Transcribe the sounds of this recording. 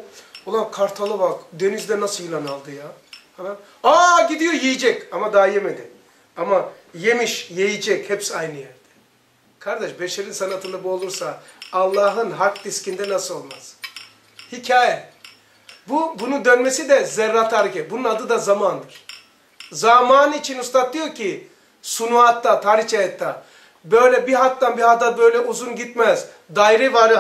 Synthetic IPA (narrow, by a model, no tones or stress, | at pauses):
olˠamkʰaɾt̪ʰalˠavakd̪e̞nizd̪ɛnasɯilʲˠanalˠd̪ɯjahana | aɟid̪ijojejid͡ʒɛcamad̪aːjemed̪i | ama | je̞miʃjejid͡ʒɛchɛpsajnɯjæɾd̪̥ɛ̥ | kʰaɾd̪ɛʃbeʃeɾinsanat̪ʰɯlˠɯbuo̞lˠuɾsaːlˠːaːɦɯnɦakd̪iscind̪ɛnasɯo̞lˠmaz̥ | hicʰaːjɛ | bubunud̪ønmesid̪ɛzɛɾːat̪ʰːaːɾicɛbununad̪ɯd̪azamand̪ɯɾ̥ | zamaːnɯit͡ʃʰinust̪ʰat̪̚d̪ijo̞cʰi | sunuat̪ːat̪ʰaːɾit͡ʃajɛt̪ʰːa | bø̞jlʲɛbiɦat̪ːanbihad̪abø̞jlʲɛʔuzunɟit̪mɛz | d̪ajɾɛvaɾɯ